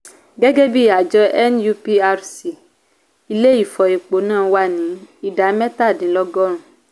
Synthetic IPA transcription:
ɡɛ˦ɡe˦bi˦˨a˨d͡ʒɔ˦ʔɛ˦nju˦pi˦a˦ɾsi˨ | i˦le˦i˦˨fɔ˨i˨k͡po˨˦nãː˦˨wa˦nĩ˨˦i˦da˨˦mɛ̃˦ta˦˨dĩ˨˦lɔ˦ɡɔ˦ɾ̃ũ˨

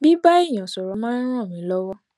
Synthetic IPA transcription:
bi˦ba˦i˦˨j̃ã˨sɔ˨ɾɔ˨˦mã˦n˦ɾ̃ɔ̃˦˨mĩ˨˦lɔ˦wɔ˦

